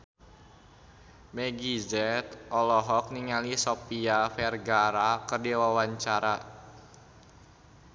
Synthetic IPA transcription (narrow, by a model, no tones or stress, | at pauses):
mɛɡizɛt̪ʔɔlɔɦɔk̚niŋalisopiafɛrɡaɾakərdiwawaɲt͡ʃaɾa